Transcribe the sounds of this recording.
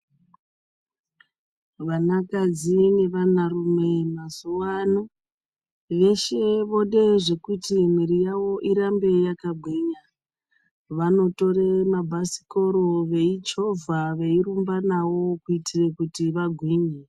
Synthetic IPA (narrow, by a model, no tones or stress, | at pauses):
ʋanakad͡zine̞ʋanarume̞mazuwano | ʋe̞ʃe̞ʋo̞ɗe̞ʐe̞kutim̤iɾijawo̞ʔiɾambe̞jakabʱwiɲa | ʋano̞to̞ɾemabʱasi̥ko̞ɾoʋe̞it͡ʃo̞vʱaʋe̞iɾumbanawo̞kuitirekutiʋaɡʱwiɲe